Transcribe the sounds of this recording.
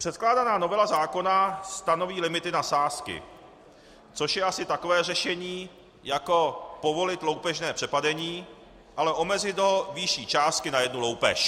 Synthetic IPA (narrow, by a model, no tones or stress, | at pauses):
pr̝̥ɛt̪̚klaːdanaːno̞vɛlazaːko̞nast̪ano̞viːlɪmɪt̪ɪnasaːskɪ̰ | t͡so̞ʃjɛʔasɪt̪ako̞vɛːrɛʃɛɲiː | jako̞po̞vo̞lɪt̪lowpɛʒnɛːpr̝̥ɛpadɛɲiː | ʔalɛʔo̞mɛzɪd̪ɦovɪʃiːt͡ʃaːst̪̚kɪnajɛdnulo̞wpɛ̰ʃ